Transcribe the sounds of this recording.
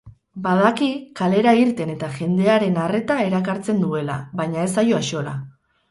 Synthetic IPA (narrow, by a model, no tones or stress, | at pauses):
bað̞akikale̞ɾaiɾt̪e̞ne̞t̪aʝe̞nd̪e̞aɾe̞nare̞t̪ae̞ɾakaɾt͡se̞nd̪ue̞la̰βajɲae̞s̬ajo̞aʃo̞la̰